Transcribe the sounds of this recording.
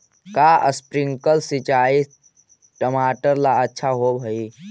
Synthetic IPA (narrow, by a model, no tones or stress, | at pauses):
kaːʔə̰spɾɪ̃ŋkəlsit͡ʃaːi | ʈəmaːʈəɾlaɐtːʃʰaɦobʱɐiː